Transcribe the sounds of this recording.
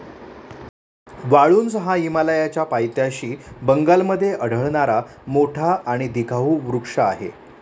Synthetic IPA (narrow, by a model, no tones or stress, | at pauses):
ʋaɭuːnsəɦaimaləjat͡ɕjapajt̪jaɕiːbəŋɡalməd̪ʱːjeʔəɽ̤ʱəɭɳaɾamoʈʰaːɽ̃id̪ikʰaʋuːʋɾukʂaːɦḛ